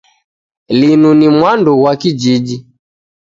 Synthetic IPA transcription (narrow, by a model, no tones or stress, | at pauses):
linunimwanduwakid͡ʒid͡ʒi